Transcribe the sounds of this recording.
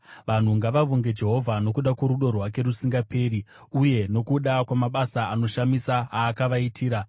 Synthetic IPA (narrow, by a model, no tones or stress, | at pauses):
ʋan̤uŋɡaʋaʋuŋɡe̞d͡ʒe̞ɦo̞vʱano̞kuɗakwoɾuɗo̞rwak̬e̞ɾusiŋɡapʰe̞ːri | uje̞no̞kuɗakwamaɓasaano̞ʃamisaaːkaʋaitʰiːɾa